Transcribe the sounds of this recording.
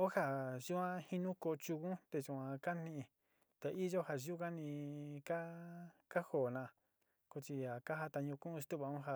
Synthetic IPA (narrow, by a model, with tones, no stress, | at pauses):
o˦ha˧ʒu˦ã˦hi˦nũ˦ko˧t͡ʃu˧kũ˦t̪e˧t͡ʃu˧ã˧ka˦nĩ˧ĩ˧˨ | t̪e˧ʔi˦ʒo˦ha˨ʒu˦ka˦nĩ˧ka˦ka˦ho˨nã˧˨˧ | ko˧t͡ʃi˧a˨ka˦ɦa˧t̪a˧ɲũ˧kũ˦˧si˧t̪u˦βa˧ũ˦ɦa˧˨